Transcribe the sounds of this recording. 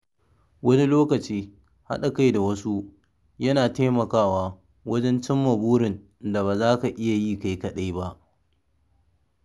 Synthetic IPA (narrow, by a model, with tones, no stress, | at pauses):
wɐ˦ni˦loː˦kɐ˨t͡ʃiː˦ | ha̰˦ɗa˨ka˦jda˨wɐ˦su˦ | jɐ˦naː˨teː˦mɐ˨kaː˦waː˦ | wɐ˦d͡ʒɛ˦nt͡ʃɪ˦mːɐ˨buː˦ɾɪ˨n | da˨βaː˨zaː˦ka˨ʔɪ˦ja˨jiː˦ka˦˨jkɐ˨ɗa˦jba˦ʔ